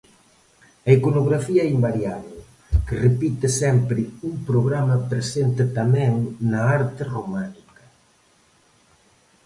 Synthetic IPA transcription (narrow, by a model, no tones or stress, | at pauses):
ɐikonoɣɾafiɐɛimbaɾjaβeɪ | kɪrepit̪ɪsɛmpɾɪuŋpɾoɣɾamɐpɾesent̪ɪt̪amɛ̃ŋnɐaɾt̪ɪromanikɐ̥